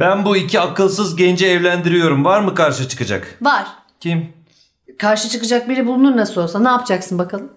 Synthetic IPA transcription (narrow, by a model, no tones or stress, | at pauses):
bænbuicʰiakɯlˠsɯzɟɛnd͡ʒɛːvlʲænd̪iɾijo̞ɾumvaɾmɯkʰaɾʃɯt͡ʃʰɯ̥kɯd͡ʒa̰kvaɾ̥ | cʰim | kʰaɾʃɯt͡ʃʰɯkɯd͡ʒak̚bilʲɛbulˠunuɾnasɯlo̞lˠsanaːpʰɯd͡ʒaksɯnbakʰalˠɯm